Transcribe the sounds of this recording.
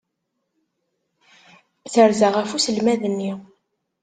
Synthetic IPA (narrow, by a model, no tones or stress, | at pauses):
θəɾzaʁæfusəlmæðənːi